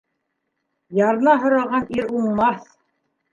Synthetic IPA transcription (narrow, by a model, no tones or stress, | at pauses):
jɑɾɤ̆nɑɦŏɾɑʁɑniɾuɴmɑθ